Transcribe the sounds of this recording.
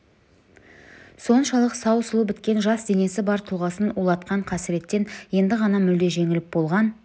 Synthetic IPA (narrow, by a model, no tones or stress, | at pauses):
so̞nʃɑlˠəqsɑwsəlˠəbɪt̪kʲe̞nʒɑsd̪e̞ne̞sɪbɑɾt̪ʰulˠʁɑsənulˠɑt̪qɑɴqʰɑsɪɾe̞t̪ːe̞nje̞nd̪ɪʁɑnɑmʏld̪e̞ʒe̞ŋɪlɪp̚bo̞lˠʁɑn